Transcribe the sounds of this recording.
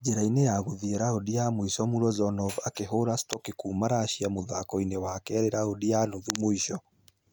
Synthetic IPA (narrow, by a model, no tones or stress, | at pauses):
d͡ʑeɾainejaɣuðiɛɾaodiamoiʃɔmuɾɔzɔnɔvakeɦoɾastɔkikuːmaɾaːɕiamoðakɔinewakɛːɾeɾaodianoðumoiʃɔ